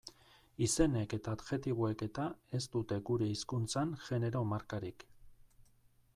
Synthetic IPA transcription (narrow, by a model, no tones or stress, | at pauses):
ise̞ne̞ke̞t̪aːd̪ʝe̞t̪iβ̞oe̞ke̞t̪ae̞st̪ut̪e̞ɡuɾe̞iskunt͡sanʝe̞ne̞ɾo̞maɾkaɾik